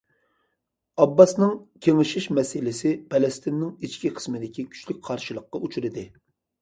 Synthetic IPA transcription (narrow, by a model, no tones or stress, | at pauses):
ɑbːɑsnɨŋkʲʰeŋɪʃiʃmɛsɪlɪsɪpʰɛlɪst̪ɪnːɪŋit͡ʃkʲiqʰə̥smɪd̪ɪkʲikʲʰy̥t͡ʃlyk̚ʲqʰɑɾʃɨlˠəqːɑut͡ʃʰuɾɪd̪ɪ